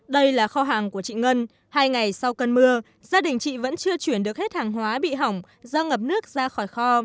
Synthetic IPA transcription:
ɗə˧jlaː˨˩xɔ˧ɦaː˨˩ŋku˧˩ət͡ɕḭ˧˨ŋə˧n | haː˧jŋa˨˩jsa˧wkə˧nmɨ˧ə | zaː˧ɗï˨˩ŋ̟t͡ɕḭ˧˨və̰˧˥nt͡ɕɨ˧ət͡ɕwi˧˩ənɗɨ˨˩ək̚he˦˥t̚haː˨˩ŋɦwaː˨˦ɓḭ˧˨ɦa˨˩wŋ͡m | zəː˧ŋə˨˩p̚nɨ˦˥ək̚zaː˧xɔ˧˩jxɔ˧

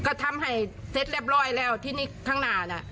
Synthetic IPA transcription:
kɔː˧˩t̪ʰa˧mha˨˩jse˦˥t̪̚lɛː˧˩p̚lɔː˧˩jlɛː˥˩wt̪ʰiː˧˩niː˥˩kʰaː˧˥˩ŋnaː˨˧˩na˧˩ʔ

